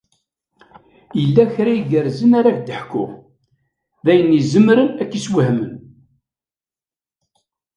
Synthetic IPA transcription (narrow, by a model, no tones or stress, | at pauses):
jəlːæçɾæiɡəɾzənaɾakd̪əħkːʊ̰ | ðæjənːizəmɾənækːiswəhmən